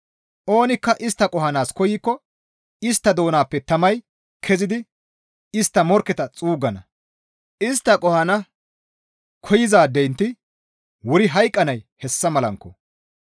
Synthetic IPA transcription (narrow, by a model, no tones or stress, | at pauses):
ʔo̞ːnɪkːɐʔɪst̪ːɐkʼɔhɐnaːskɔjɪkːɔ | ɪst̪ːɐd̪o̞ːnaːpːɛt̪ɐmɐj | kʰɛzɪd̪ɪ | ɪst̪ːɐmɔɾkːɛt̪ɐt͡sʼuːɡɐnɐ | ʔɪst̪ːɐkʼɔhɐnɐ | kʰɔjɪzaːd̪ɛjnt̪ɪ | wʊɾɪɦɐjkʼːɐnɐjhɛsːɐmɐlɐŋkːɔ